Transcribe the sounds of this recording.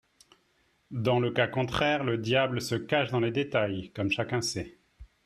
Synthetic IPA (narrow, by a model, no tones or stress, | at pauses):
d̪ɑ̃ləkakɔ̃t̪χɛːʁləd̪jabləsəkaʃd̪ɑ̃led̪et̪ajkɔmʃakʲɛ̃sɛ